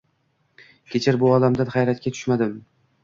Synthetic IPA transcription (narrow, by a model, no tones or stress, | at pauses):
kʲʰet͡ʃʰɪɾbʊɒd̪amd̪anχajɾat̪̚kʲat̪ʰʊ̥ʃmad̪ɪm